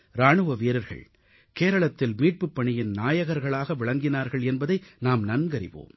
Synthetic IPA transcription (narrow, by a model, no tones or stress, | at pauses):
ɾaːɳɯʋɐʋiːɾɐɾɣɐ̰ɭ | keːɾɐɭɐt̪ːɪlmiːʈ̚pɯpːɐɳɪjɪnnaːjɐɣɐɾɣɐɭaːɣɐʋɪɭɐŋɡɪnaːɾɣɐɭɛnbɐðɐɪnaːmnɐnɡɐɾɪ̰ʋo̰ːm